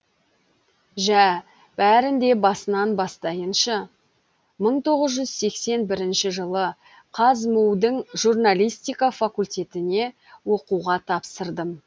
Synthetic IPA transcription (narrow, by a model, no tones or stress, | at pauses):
ʒæ | b̥æɾɪnd̪e̞bɑsənɑnbɑst̪ɑjənʃɑ | məɴt̪ʰo̞ʁəzʒʏzse̞kse̞nbɪɾɪnʃɪʒəlˠə | qʰɑzmuwd̪əɴʒurnalʲijst̪ijkafakulʲt̪ʲe̞t̪ɪne̞ | wo̞quʁɑt̪ʰɑpsəɾd̪əm